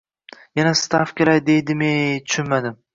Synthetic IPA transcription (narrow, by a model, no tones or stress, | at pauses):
janast̪afkʲelajd̪e̞jd̪ɪmet̪ʰʊ̥ʃʊnmad̪ɪm